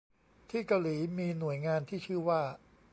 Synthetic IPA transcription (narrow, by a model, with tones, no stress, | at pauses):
t̪ʰiː˥˩ka˧wliː˩˦miː˧nu˨˩˦əjŋaː˧nt̪ʰiː˥˩t͡ɕʰɯ˥˩waː˥˩